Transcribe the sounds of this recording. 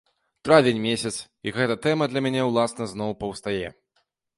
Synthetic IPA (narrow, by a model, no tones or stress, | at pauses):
t̪ɾavʲenʲmʲesʲɐt̪sjɐkɣɛt̪ɐt̪ɛmɐd̪lʲɐmʲanʲɛwlˠasnɐznɔwpɐwst̪ajɛ